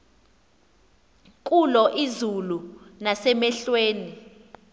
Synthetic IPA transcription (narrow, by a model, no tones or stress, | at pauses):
k̬ʼulɔʔizulunasɛmɛɬweːni